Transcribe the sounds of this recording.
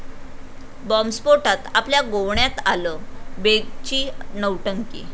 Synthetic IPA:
bɔmspoʈat̪apljaɡowɳjat̪aləbeɡt͡ɕiːnəwʈəŋkḭː

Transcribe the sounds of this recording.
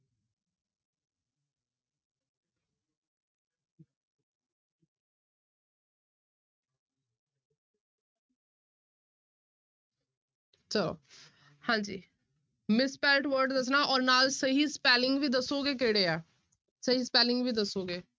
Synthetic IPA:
t͡ʃəlo̰ː | hãːd͡ʒḭː | mɪspɛːɾɪʈʋəɾɖd̪əs̬naːʔɔːɾnaːlsəɦiːspɛːlɪŋɡʋiːd̪əsoːɡeːk̬eɽeːɛː | səɦiːspɛːlɪ̃ŋɡʋiːd̪əsoːɡeː

